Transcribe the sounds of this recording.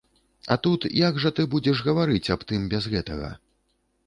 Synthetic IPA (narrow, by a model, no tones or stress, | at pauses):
ɐ̰t̪ut̪jaɡʐɐt̪ɨbud͡zʲɛʂɣɐvaɾɨt͡sʲapt̪ɨmbʲazɣɛt̪ɐ̰ɣɐ̰